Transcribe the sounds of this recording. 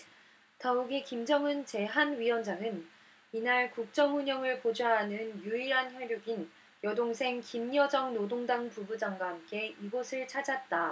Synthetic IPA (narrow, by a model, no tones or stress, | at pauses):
tauɡekimd͡ʑʌŋɯnt͡ɕe̞ɦanɥiwʌnd͡ʑaŋɯn | inaɭkuk̚t͡ɕ͈ʌŋuɲʌŋɯɭpod͡ʑaɦanɯnjuiɾançjʌjoɡin | jʌdoŋsʰe̞ŋkimɲʌd͡ʑʌŋnodoŋdaŋpubud͡ʑaŋɡwaɦamk͈e̞iɡosʰɯɭt͡ɕʰad͡ʑat̚t͈a